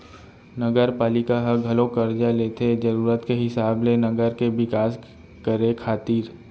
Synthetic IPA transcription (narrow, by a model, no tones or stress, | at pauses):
nəɡəɾpaːlɪkaɦɐɡʱɐlõkəɾd͡ʒaleːt̪ʰed͡ʒɐɾuːɾət̪keɦɪsaːblenɐɡəɾkebɪkaːs | kəɾekʰaːt̪iːɾ